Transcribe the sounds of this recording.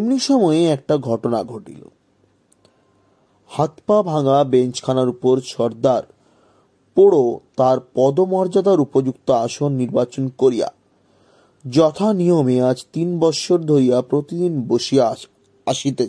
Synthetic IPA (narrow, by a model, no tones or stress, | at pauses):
mniʃɔmɔeɛk̚ʈaɡʱɔʈona̰ɡʱoʈḭlo̰ | hat̪pabʱaŋabent͡ɕkʰanaɾupoɾʃɔɾd̪aɾ | poɽot̪aɾpɔd̪omɔɾd͡ʑad̪aɾupod͡ʑukt̪oaʃonːiɾbat͡ɕonkoɾija̰ | d͡ʑɔt̪ʰanijomead͡ʑt̪inbɔʃʰoɾd̪ʱoɾijapɾot̪id̪inboʃi | aʃit̪e